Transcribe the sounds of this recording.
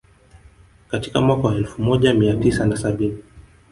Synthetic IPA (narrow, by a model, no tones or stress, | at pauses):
kati̥kamwakawaɛlfumɔʄamiatisanasaɓini